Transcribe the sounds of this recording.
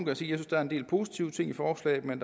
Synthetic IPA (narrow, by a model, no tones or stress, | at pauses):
ŋɡ̥əæsiːjæsysd̥ɑæɐe̝nd̥e̝̰ːlpʰo̝ːsi̥t͡sʰiʊt͡sʰe̝ŋ̰ifɒːslɛ̰ːɪmend̥